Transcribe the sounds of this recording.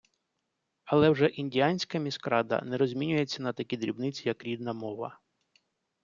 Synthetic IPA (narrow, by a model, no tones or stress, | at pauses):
ɐlˠɛwʒɛʔinʲdʲijanʲsʲkɐmʲiskɾɑd̪ɐ̰nɛɾɔzʲmʲinʲʊjet͡sʲːɐnɐt̪ɐkʲid̪ɾʲibnɪt͡sʲijɐkɾʲid̪̚nɐmɔʋɐ̰